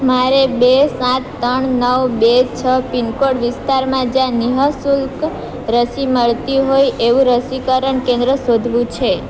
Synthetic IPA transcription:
maɾebesãt̪ːəɳnəʋbet͡ʃʰəpinkoɽʋɪst̪aɾmãd͡ʒãniɦəsulk | ɾəsiməɭt̪iɦojeʋũɾəsikəɾəɳkẽnd̪ɾəsod̪ʱʋũt͡ʃʰe

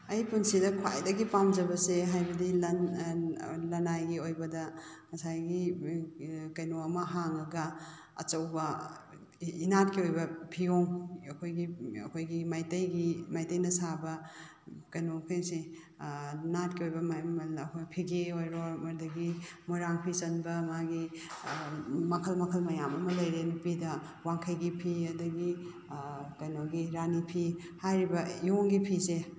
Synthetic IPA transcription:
ɐjpunsidɐkʰwa̰jdɐɡipamd͡ʒɐbɐseɦajbɐdilɐn | lɐnajɡiojbɐdɐmɐsajɡi | kɐjnoɐmɐɦaŋɐɡɐ | ɐ̰t͡ʃɐwbɐ | inat̚kiojbɐpʰiɡoŋɐkʰojɡiɐ̰kʰojɡimajtɐjɡimajtɐjnɐsabɐ | kɐjnopʰeŋsi | natkiojbɐmamɐɐkʰojpʰiɡeojɾoɾmɐɾdɐɡimoɾaŋpʰisɐnbɐmaɡi | mɐkʰɐlmɐkʰɐlmɐjamɐmɐlɐjɾenupidɐ | waŋkʰɐjɡipʰiɐdɐɡi | kɐjnoɡiɾanipʰi | hajɾibɐijoŋɡipʰise

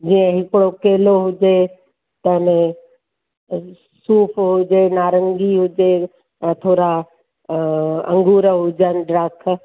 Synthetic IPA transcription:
d͡ʑiːə̃ɦɪkɽokeːloɦʊd͡ʑe | t̪ɐnẽ | suːpʰɦʊd͡ʑenaːɾə̃ŋɡiɦʊd͡ʑẽ | t̪ʰoːɾa | ɐ̰̃ŋɡuːɾɦʊd͡ʑənɪ̆ɖɾaːkʰ

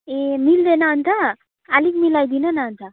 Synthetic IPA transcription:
emild̪enaənt̪a | alikmilajd̪inanaənt̪a

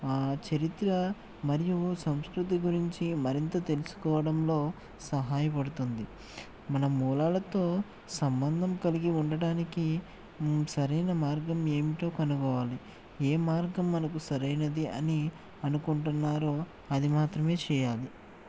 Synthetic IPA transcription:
aːt͡ʃɐɾit̪ɾɐ | mɐɾijusɐmskɾut̪̬iɡuɾiɲt͡ʃimɐɾint̪ɐt̪e̞lusu̥kɔːʋɐɽɐmlo̞ː | sɐɦaːjɐpɐɽut̪und̪i | mɐnɐmːuːlaːlɐt̪o̞ː | sɐmbɐnd̪ʱɐmkɐliɡiuɳɖɐɽaːniki | sɐɾɐjnɐmaːɾɡɐme̞ːmiʈo̞ːkɐnukɔːʋaːli | eːmaːɾɡɐmːɐnɐk̬usɐɾɐjnɐd̪iɐ̰ni | ɐnukuɳʈunːaːɾoː | ɐd̪imaːt̪ɾɐme̞ːt͡ʃɛːjaːli

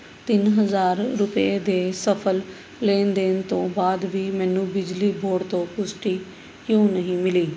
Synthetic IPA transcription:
t̪ɪnɦəzaːɾːʊpeːd̪eːsəpʰəl | leːnd̪eːnt̪õːbaːd̪ʋiːmɛ̃ːnũːbɪd͡ʒliːbʱoːɽt̪õːpʊsʈiː | kjõːnəɦĩːmɪliː

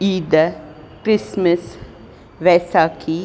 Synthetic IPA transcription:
iːd̪ə | kɾisməs | ʋɛsaːkʰi

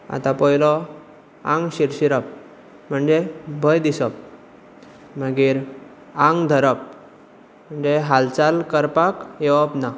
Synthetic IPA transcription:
a̰t̪ãpəilɔ | ã̰ŋɡɕiɾɕiɾəp̚ | m̤əɳd͡zebʱəjd̪isəp̚ | m̤əɡiːɾ | ãŋɡd̪ʱəɾəp̚ | m̤əɳd͡zeɦalt͡salkəɾpakjeʋəpna

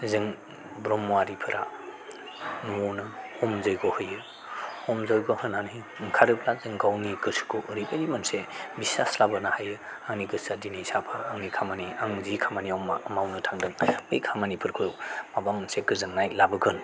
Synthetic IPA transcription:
zɯŋ | bɾɔmːuaɾipʰɯɾʔa̰ | nunɯɔmzɔjɡɔhɯjɯ | ɔmzɔjɡɔhɯnanij | ŋkʰaɾɯp̚ʰlazɯŋɡawniɡɯsɡʰoʔɾibeɾimansebisaslabɯnahajɯ | aŋniɡɯsadinisapʰaːŋnikʰamaniaŋzikʰamaniamːmawnɯtʰaŋdɯŋbɯ̰jkʰamanipʰɯɾkʰɯjmabamɯnseɡɯzɯŋnajlabɯɡɯn

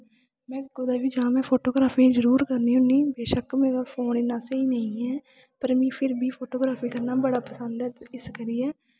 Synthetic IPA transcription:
mɛ̃ːɡʊd̪aːʋiːd͡ʒəãːmɛ̃ːpʰoːʈoːɡɾaːpʰiːzəɾuːɾkəɾniːɦʊniːbeːʃəkmeːɾaːpʰoːnɪnãːseiːnəĩːɦɛː | pəɾmĩːpʰɪɾbʱiːpʰoːʈoːɡɾaːpʰiːkəɾnaːbəɽaːpəsənd̪ɛːɪskəɾiːɛː

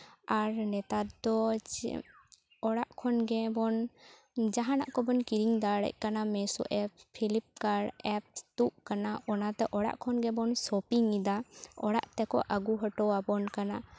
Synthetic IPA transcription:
aɾnɛt̪at̪d̪ɔ̰ | ɔɽaʔkʰɔnɡɛbɔn | d͡ʒaɦana̰ʔkɔbɔnkiɾiŋd̪aɽɛ̰ʔ̚ˀkanamɛsɔ̰ʔɛp̚pʰilip̚kaɾɛp̚t̪uʔkanaʔɔnat̪ɛʔɔɽa̰ʔkʰɔnɡɛbɔnsɔpiŋid̪aɔ̰ɽa̰ʔt̪ɛkɔ̰ʔaɡuɦɔʈɔwabɔnkana

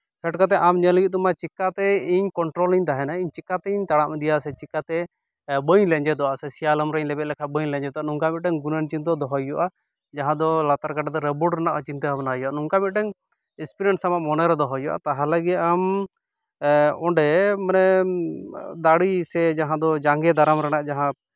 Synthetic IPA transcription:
kʰɛʈkat̪̬ɛʔamɲəlɡit̪̚ˀɔmat͡ʃikːat̪ɛiɲkɔɳʈɾɔliɲt̪aɦɛnaiɲt͡ʃikːat̪ɛiɲt̪aɽaʔmɛd̪ijasɛt͡ʃikːat̪ɛ | bəɲlɛɲd͡ʒɛd̪ɔʔasɛsijalɔmɾɛɲlɛbɛt̪̚lɛkʰabəɲlɛɲd͡ʒɛd̪ɔanuŋkamit̪̚ʈɛŋɡunənt͡ʃint̪ɔd̪ɔɦɔjɔʔa | d͡ʒaɦãd̪ɔlat̪aɾkaʈad̪ɔɾɛbuɖɾɛnaʔt͡ʃint̪əɦabnajɔanuŋkamit̪̚ʈɛŋ | ispiɾɛɳʈsamaʔmɔnɛɾɔd̪ɔɦɔjɔʔa̰t̪aɦaləɡiam | ɔɖɛmənɛ | d̪aɽisɛd͡ʒaɦãd̪ɔd͡ʒaŋɡɛd̪aɾamɾɛnaʔd͡ʒaɦã

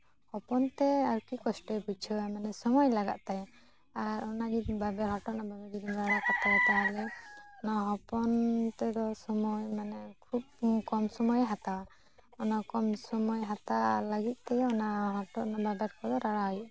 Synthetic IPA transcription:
hɔpɔnt̪ɛaɾkikɔsʈɔput͡ʃʰɔamanɛsɔmɔjlaɡa̰ʔ̪̚t̪ajɔ | aɾɔnad͡ʒibabɛɦɔʈɔnababɛd͡ʒid̪imɾaɽakat̪awat̪aɦalɛɔnaɦɔpɔnt̪ɛd̪ɔsɔmɔjmanɛkʰub̚kɔmsɔmɔjɦat̪awa | ɔnakɔmsɔmɔjɦat̪alaɡit̪̚ˀt̪ɛjɔnaɦɔɾʈɔʔnababɛɾkʰɔd̪ɔɾaɽaɦɔjuʔ

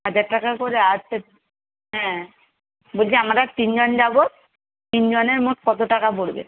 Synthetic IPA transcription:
ɦad͡ʑaɾʈakakoɾead͡ʑte | ɦɛ̃ | bolt͡ɕʰiamaɾat̪ind͡ʑond͡ʑabo | t̪ind͡ʑoneɾmoʈkɔt̪̬oʈakapoɽbḛ

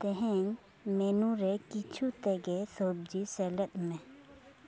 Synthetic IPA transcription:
t̪ɛɦɛ̃ŋ | meːnũɾɛkit͡ʃʰut̪ɛɡɛsoːb̚d͡ʒisɛːlət̪mẽ

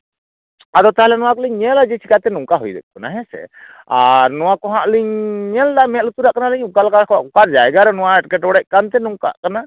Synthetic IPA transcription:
aɾɔt̪aɦalɛnɔwakliɲɲɛlad͡ʒɛt͡ʃʰikat̪ɛnuŋkaɦujd̪ɛp̚kɔnaɦɛsɛ̰ | aɾnɔwakɔɦaʔliɲːɛld̪amɛlut̪uɾaʔkanaliɲukalkakʔukaɾd͡ʒajɡaɾɔnɔwaɛʈkɛʈɔɽɛcʔ̚ˀkant̪ɛnuŋka̰ʔkana

